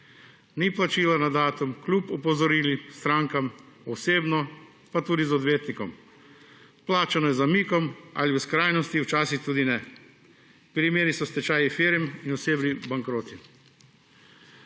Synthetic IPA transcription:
niplat͡ʃiːlanad̪aːt̪umklʲupɔpɔzɔɾiːlist̪ɾaːŋkam | ɔseːbnɔ | pat̪uːd̪izɔd̪ʋeːt̪nikɔm | plaːt͡ʃanɔjɛzamikɔma̰liskɾaːjnɔst̪iwt͡ʃaːsixt̪uːd̪inɛ | pɾimeːɾisɔst̪ɛt͡ʃaːjifiɾminɔseːbnibaŋkɾoːt̪i

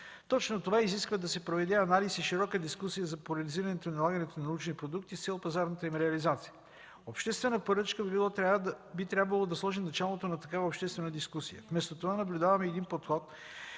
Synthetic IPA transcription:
t̪ɔt͡ʃnot̪ovaiziskvəd̪ɐsɛpɾovɛd̪ɛɐnalisiʃiɾɔkəd̪iskusijəzɐpolʲɐliziɾɐnɛt̪oinɐlˠaɡənɛt̪onnɐnut͡ʃnipɾod̪uk̚t̪ist̪sɛlˠpɐzaɾnət̪əimɾɛɐlizat̪si̥jə | opʃt̪ɛst̪vɛnəpoɾɤt͡ʃkəvbilˠɔt̪ɾʲavbit̪ɾʲabvɐlˠod̪ɐslˠɔʒinɐt͡ʃalˠot̪onɐt̪ɐkavəopʃt̪ɛst̪vɛnəd̪iskusijə̰fmɛst̪ot̪ovanɐblʲʊd̪avɐmɛːd̪inpot̪xɔt̪

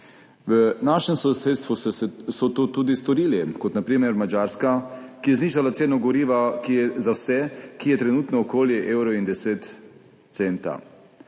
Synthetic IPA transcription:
ʋənaʃɛmsɔseːt̪st̪ʋusɔt̪oːt̪uːd̪ist̪ɔɾiːlikɔt̪napɾiːmɛɾmad͡ʒaːɾskakijɛzniːʒalat̪seːnɔɡɔɾiːʋakijɛzawsɛkijɛt̪ɾɛnuːt̪nɔːkoːljɛʔeːwɾɔind̪ɛseːt̪ | t̪seːnt̪a̰

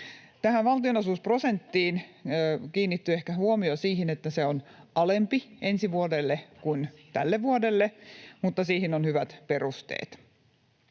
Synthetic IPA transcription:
t̪æhæʋʋɑlt̪ionosuˑsprosent̪ːiːnː | kiːnːit̪ːyehkæhuomiosiːɦinet̪ːæseonɑlempiensiʋuodelːekunt̪ælːeʋʋuodelːemut̪ːɑsiːhinonhyʋæt̪perust̪ḛːt̪

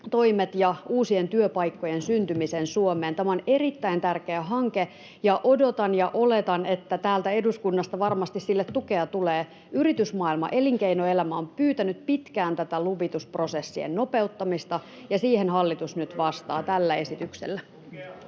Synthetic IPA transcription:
t̪o̞imet̪jɑuːsie̞nt̪yøpɑjkːo̞jensynt̪ymisensuomeːnt̪æmæone̞ɾit̪ːæint̪ærk̟e̞æɦɑŋke̞ | jɑʔo̞do̞t̪ɑnjɑʔo̞le̞t̪ɑne̞t̪ːæt̪æːlt̪æe̞duskunːɑst̪ɑʋɑrmɑst̪issilːet̪ːuke̞ɑt̪uleː | yɾit̪ysmɑːilmɑ̰ʔe̞liŋkeinoe̞læmæompyːt̪ænyt̪̚pit̪kæːnt̪æt̪æluʋit̪uspro̞se̞sːiḛnno̞pe̞ut̪ːɑmist̪ɑ | jɑsiːhenɦɑlːit̪usnyt̪ʋɑst̪ɑːt̪ælːæe̞sit̪yksḛlːæ

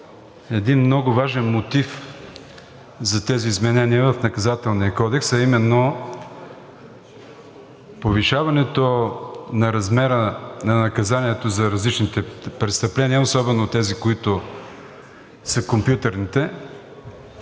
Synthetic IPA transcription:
ɛd̪inmnɔɡʊvaʒɛnmot̪if | zɐt̪ɛziːzmɛnɛniəvɐfnɐkɐzat̪ɛlˠniəkɔd̪ɛksɐimɛnːo | poviʃavɐnɛt̪onɐɾɐzmɛɾənɐnɐkɐzaniɛt̪ozɐɾɐzlit͡ʃnit̪ɛpɾɛt̪st̪ɐplɛniəosɔbɛnot̪ɛzikoit̪ʊ | səkompjut̪ɐɾnit̪ɛ

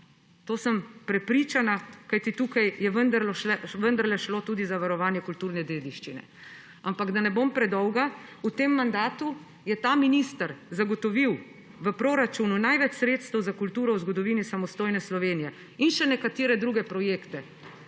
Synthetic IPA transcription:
t̪oːsəmpɾɛpɾiːt͡ʃanakajt̪it̪uːkajjɛʋənd̪əɾlɔʃlɛʋənd̪əɾlɛʃlot̪uːd̪izaʋaɾɔʋaːnjɛkult̪uːɾnɛd̪eːd̪iʃt͡ʃinɛ̰ | ampaɡd̪anɛbompɾɛd̪ɔwɡaut̪emːand̪aːt̪u | jɛt̪aːminist̪aɾzaɡɔt̪ɔʋiw | ʋəpɾoːɾat͡ʃununajʋɛt͡ʃsɾeːt̪st̪əwzakult̪uːɾɔwzɡɔd̪ɔʋiːnisamɔst̪oːjnɛslɔʋeːnijɛ | inʃɛnɛkat̪eːɾɛd̪ɾuɡɛpɾɔjeːkt̪ɛ

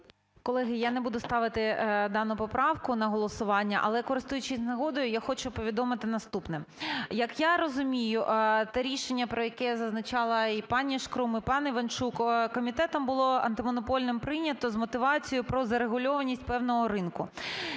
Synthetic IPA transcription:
kɔlˠɛɦɪjanebud̪ʊst̪ɑʋɪt̪ɪd̪ɑnʊpɔpɾʔɑwkʊnɐɦɔlˠɔsʊʋɑnʲːɐʔɐ̰lˠɛkɔɾɪst̪ujʊt͡ʃɪzʲnɐɦɔd̪ɔjʊjaxɔt͡ʃʊpɔʋʲid̪ɔmɪt̪ɪnɐst̪upnɪmjɐkjaɾɔzʊmʲijʊt̪ɛɾʲiʃenʲːɐpɾɔjɐkɛzɐznɐt͡ʃɑlˠɐipɑnʲiʃkɾumipɑniʋɐnt͡ʃukkɔmʲit̪ɛt̪ɔmbʊlˠɔɐ̰nt̪ɪmɔnɔpɔlʲnɪmpɾɪnʲɐt̪ɔzmɔt̪ɪʋɑt͡sʲijʊpɾɔzɐɾeɣʊlʲɔʋɐnʲisʲtʲpɛwnɔɦɔɾɪnkʊ

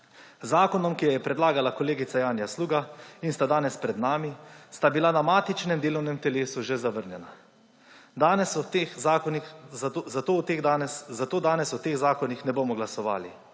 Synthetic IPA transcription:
zaːkɔnɔmkijajɛpɾɛd̪laːɡalakɔleːɡit̪sajaːnjasluːɡainst̪ad̪aːnɛspɾɛd̪naːmist̪abilanamaːt̪it͡ʃnɛmd̪eːlɔwnɛmt̪ɛleːsuʒezaʋəɾnjɛna | d̪aːnɛst̪exnixzat̪oːwt̪eːɣd̪anzat̪oːd̪aːnɛsut̪eːɣzaːkɔnixnɛboːmɔɡlasɔʋa̰ːli

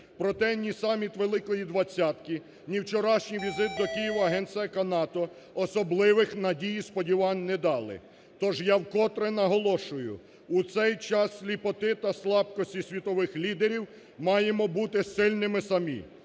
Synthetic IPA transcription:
pɾɔt̪ɛnʲisɑmʲit̪ʋelˠɪkɔjid̪ʋɐt͡sʲːat̪ki | nʲiwt͡ʃɔɾɑʃnʲijʋʲizɪt̪̚d̪ɔkijiʋɐɐɦɛnt̪sjɐkɐnɑt̪ɔ | ɔsɔblˠɪʋɪxnɐdʲijispɔdʲiʋɑnʲnɛd̪ɑlˠɪ̰ | t̪ɔʒjawkɔt̪ɾɛnɐɦɔlˠɔʃʊjʊ̰ | ut̪sɛjt͡ʃɑslʲipɔt̪ɪt̪ɐslˠɑb̚kɔsʲtʲisʲʋʲit̪ɔʋɪxlʲid̪eɾʲiw | mɑjemɔbut̪ɪsɪlʲnɪmɪsɐmʲḭ

